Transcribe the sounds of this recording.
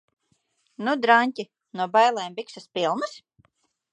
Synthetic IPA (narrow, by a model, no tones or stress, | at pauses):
nud̪ɾanʲcʲi | nuɔbajlˠɛjmbiksaspilˠnɨs